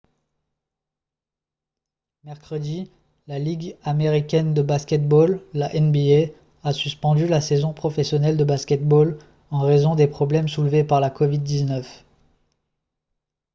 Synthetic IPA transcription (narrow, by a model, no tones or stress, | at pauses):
mɛʁkχəd̪i | laliɡameʁikʲɛnd̪əbaskʲɛt̪̚bolːaʔɛnbie | asyspɑ̃d̪ylasezɔ̃pχɔfɛsjɔnɛld̪əbaskʲɛt̪̚bol | ɑ̃ʁezɔ̃d̪epχɔblɛmsulvepaʁlakɔvid̪ːiznœf